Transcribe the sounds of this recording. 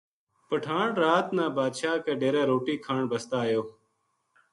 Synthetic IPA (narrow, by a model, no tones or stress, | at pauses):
pəʈʰaːɳɾaːt̪nãːbaːd̪ʃaːkeːɖeːɾẽːɾoːʈiːkʰaːɳbəst̪aːjoː